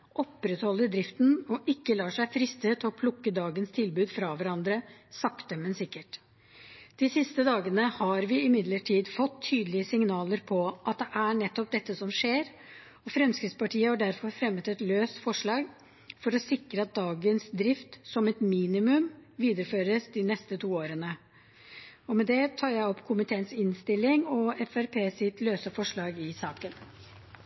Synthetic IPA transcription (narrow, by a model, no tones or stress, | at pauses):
ʔɔpːɾɛt̪hɔlːəɖɾɪft̪n̩ɔʔɪkːəlɑːʂæɪfɾɪst̪ət̪ʰɪlɔpʰlʊkːəd̪ɑːɡənst̪ʰɪlbʉːd̪fɾɑʋæɾɑnd̪ɾəsɑkt̪əmənsɪkːəʈ | d̪̥ɪsɪst̪əd̪ɑːɡənəhɑɾʋɪɪmɪd̪ləʈʰiːd̪fɔt̪ʰːyːd̪əl̩ɪəsɪŋnɑːləɾpʰɔʔɑt̪̚d̪ɛʔæɳɛt̪ːɔp̚d̪ɛt̪ːəsɔmʂeːɾ | ɔfɾɛmskɾɪt̪spɑʈʰiːəhɑɖæɾfɔɾfɾɛmːət̪ɛt̪løːst̪fɔʂɭɑːɡ | fɔɾɔsɪkɾəɑt̪̚d̪ɑːɡənsd̪ɾɪft̪sɔmɛt̪miːnɪmʉmʋiːd̪əɾəføːɾəsd̪ɪnɛst̪ət̪ʰuːoːɾənə | ɔmɛd̪ɛt̪ʰɑːɾjæɪɔpːkʰʊmɪt̪ʰeːənsɪnst̪ɪlːɪŋɔɛfæɾpʰeːsɪt̪løːsəfɔʂɭɑːɡɪsɑːkən